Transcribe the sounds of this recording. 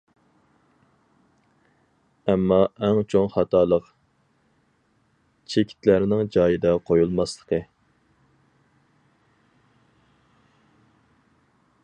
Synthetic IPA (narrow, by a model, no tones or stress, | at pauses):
ɛmːɑʔɛŋt͡ʃʰoŋχɑt̪ʰɑːlˠəq | t͡ʃʰekʲʰi̥t̪ʰlæɾnɪŋd͡ʒɑːjɨd̪ɑqʰojulˠmɑslˠə̥qʰə